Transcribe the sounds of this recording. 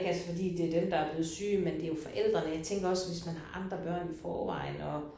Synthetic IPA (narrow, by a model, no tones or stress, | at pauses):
ɡ̥ælsɐfɒ̽d̥ḭːd̥e̝æɐd̥emd̥ɑæɐb̥le̝ːð̩ˠsyːmend̥e̝jo̝fɒ̽ʔel̰d̥ʁɐnəjɑ̈ɪt͡sʰeŋɡ̥ɐɒ̽sʋe̝smænɦɑ̈ʔɑ̈nd̥ʁɐb̥ɶɐ̰nifɒːʋɑ̰̈ɪ̰n̩ɒ